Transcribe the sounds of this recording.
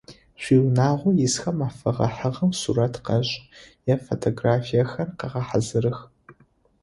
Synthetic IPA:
ɕʷiːwnaːʁʷʊjɪsxɐmaːfɐʁɐħəʁɐmsṵɾɐtʰqɐɕʼjɛfotʰoɡraːfijɐxɐrqɐʁɐħazɨɾɨx

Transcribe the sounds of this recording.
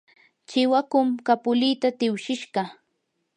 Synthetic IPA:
t͡ʃɪwakʊmkapʊlɪt̪at̪ɪwʃɪʃɢɑ

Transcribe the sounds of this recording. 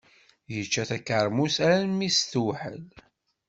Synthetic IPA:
jət͡ʃːæθækːəɾˤmusæɾænmisθwħə̰l

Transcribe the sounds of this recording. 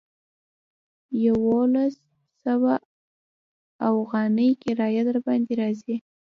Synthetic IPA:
jawolasː | awa | afɣɑnəjkɪɾɑjad̪əɾbɑnd̪eɾɑzi

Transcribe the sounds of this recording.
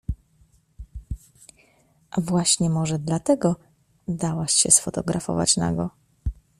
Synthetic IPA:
ʔavwaɕɲɛmɔʐɛd̪lat̪ɛɡɔ | d̪awaɕɕɛsfɔt̪ɔɡɾafɔ̰va̰t͡ɕna̰ɡɔ

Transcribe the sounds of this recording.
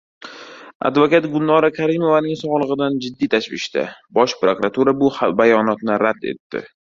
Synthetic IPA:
a̰d̪vokat̪ɡʊlˠnɒɾakʰaɾɪmovanɪŋsɒʁlˠɨʁɨd̪and͡ʒɪd̪ːijt̪ʰaʃvɪʃt̪a̰bɒʃpɾokɾat̪ʰuɾabʊhbajɒnɒt̪nɪɾad̪e̞̰t̪ːɪ̰

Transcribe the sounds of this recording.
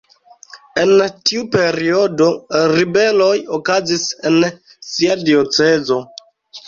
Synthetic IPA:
e̞ntiupe̞ɾio̞do̞ɾibe̞lo̞jokazise̞n | siadio̞t͡se̞zo̞

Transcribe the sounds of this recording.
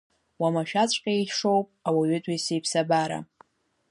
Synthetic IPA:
wamaʃᶣat͡sʷʰʼqʲʼaeʂo̞wpʼawaɥʏtʼijsejpʰsabaɾa̰

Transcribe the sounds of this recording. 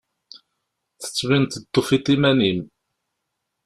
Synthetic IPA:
θə̥t͡sːvint̪ət̪ːofit̪ˤimænim

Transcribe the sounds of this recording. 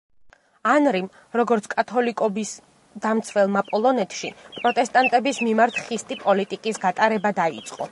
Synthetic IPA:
anɾim | ɾɔɡɔɾt̪sʰkʼat̪ʰɔlikʼɔbis | d̪̥amt̪sʰvɛlˠmapʼɔlˠɔnɛt̪ʰʃipʼɾɔt̪ʼɛst̪ʼant̪ʼɛbismimaɾt̪ʰχist̪ʼipʼɔlit̪ʼikʼisɡat̪ʼaɾɛbad̪aḭt̪sʼqʼɔ̰

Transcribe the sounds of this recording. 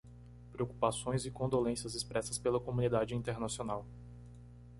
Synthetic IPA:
pɾeoku̥pasõj̃zɪkõd̪olẽsiɐzɪspɾɛsɐspelɐkomũnid̪ad͡ʒɪĩt̪eɾnasionaw

